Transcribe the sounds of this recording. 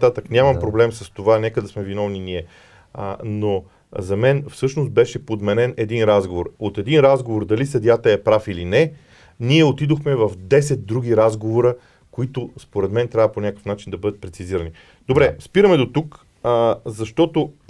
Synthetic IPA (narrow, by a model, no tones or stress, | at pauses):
t̪at̪əknʲamɐmpɾoblɛmsəst̪ovanɛkəd̪ɐsmɛvinɔvniniɛ | ə̰no | zɐmɛnfsɤʃnost̪̚bɛʃɛpod̪mɛnɛnɛd̪inɾazɡovoɾot̪ɛd̪inɾazɡovoɾd̪ɐlisɐd̪jat̪əɛpɾafilinɛ | niɛot̪id̪oxmɛvɐfd̪ɛsɛt̪̚d̪ɾuɡ̟ʲiɾazɡovoɾə | koit̪ospoɾɛd̪mɛnt̪ɾʲavəponʲakə̥fnat͡ʃind̪ɐbɤd̪ət̪̚pɾɛt̪siziɾəni | d̪̥obɾɛspiɾəmɛd̪ot̪uk | zɐʃt̪ɔt̪o